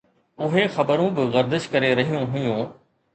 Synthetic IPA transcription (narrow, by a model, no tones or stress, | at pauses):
ʊɦexɐbəɾũbɪɣɐɾd̪ɪʃkɐɾeɾɐɦijũɦʊjũː